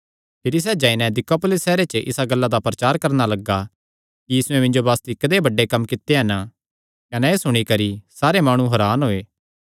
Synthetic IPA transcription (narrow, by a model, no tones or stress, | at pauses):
pʰɪɾis̬ɛːd͡ʒãːinɛ̃d̪ɪkopʊlɪsːɛːɾet͡ʃəʔɪ̰saɡɐlːad̪apɾɐt͡ʃaːɾkɐɾnalɐɡa | kijiːsʊẽmɪ̃nd͡ʒobaːst̪ikɐd̪ebɐɖːekɐmkɪt̪ːeɦɐn | kɐnɛeːsʊɽ̃ikɐɾisaːɾemaːɽ̃ũɦɐɾaːnɦoːeː